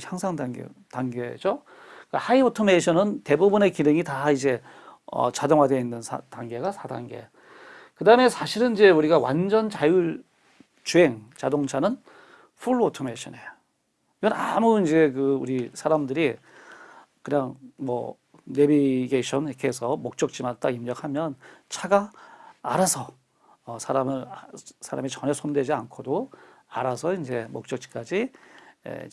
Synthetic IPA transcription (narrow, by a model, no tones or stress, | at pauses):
haŋsʰaŋdaɡ̰taŋɡed͡ʑo | kahaiotʰomeɕʰʌnɯnte̞bubune̞kineŋitaid͡ʑe̞ | ʌ̰t͡ɕadoŋɦadeinːɯnsʰa̰taŋɡe̞ɡasʰada̰ŋɡe̞̰ | kɯdaɯme̞sʰaɕʰiɾɯnid͡ʑe̞uɾiɡawa̰nd͡ʑʌnt͡ɕaju | t͡ɕue̞ŋt͡ɕadoŋt͡ɕʰanɯn | ɸʰuɭotʰomeɕʰʌnejo | iɡʌnamuind͡ʑe̞kɯuɾisʰaɾamdɯɾi | kɯɲaŋmʌ̰ | nebiɡeɕʰʌniɾʌkʰeɦsʰʌmok̚t͡ɕ͈ʌk̚t͡ɕ͈imat̚t͈aimɲʌk̚hamjʌnt͡ɕʰaɡa̰ː | ɾasʰʌ | sʰaɾamɯɭsʰaɾa̰mit͡ɕʌnesʰondwe̞d͡ʑiankʰodo | a̰ɾasʰʌind͡ʑe̞mok̚t͡ɕ͈ʌk̚t͡ɕ͈i̥k͈ad͡ʑiḛ